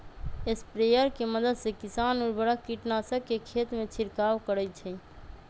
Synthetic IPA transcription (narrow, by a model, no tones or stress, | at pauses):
espɾejəɾkeməd̪əd̪sekisanuɾbəɽəkːiʈnasəkːekʰet̪met͡ʃʰiɾkawkəɾət͡ʃʰɛ